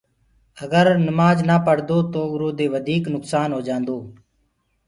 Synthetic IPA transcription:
əɡəɾnɪmaːd͡ʒnaːpəɽd̪oːt̪oːʊɾoːd̪eːʋəd̪ʱiːknʊksaːnɦoːd͡ʒãːnd̪oː

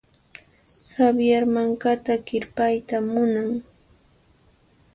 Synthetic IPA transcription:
habjaɾmaŋkat̪akɪɾpajt̪amʊnaŋ

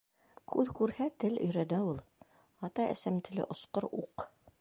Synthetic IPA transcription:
kʰʉðkʉɾhæt̪ɘlɵ̆jɾænæulˠ | ɑt̪ɑɘ̰̆sæmt̪ɘ̆lɘ̰ʔŏsqoɾuq

